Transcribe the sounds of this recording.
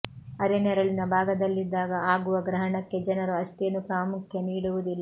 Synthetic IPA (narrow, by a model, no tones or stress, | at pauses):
ɐɾɛnɛɾɐɭinɐbʱaːɡɐd̪ɐlːid̪ːaːɡɐaːɡuʋɐɡɾɐɦɐɳɐkːe̞d͡ʒɐnɐɾuɐʂʈɛjɐnːupɾaːmukʰjɐniːɽuʋud̪ilːɐ